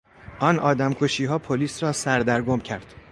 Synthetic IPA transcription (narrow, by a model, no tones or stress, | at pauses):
ʔɒːnʔɒ̰ːd̪æmkʰoʃiːɦɒːpʰoliːsrɒːsæɾd̪æɾɡomcʰæɾd̪̥